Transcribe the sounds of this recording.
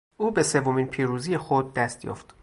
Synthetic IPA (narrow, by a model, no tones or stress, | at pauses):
ʔuːbe̞se̞vːomiːnpʰiːɾuːzije̞xod̪̚ːæst̪jɒ̰ːft̪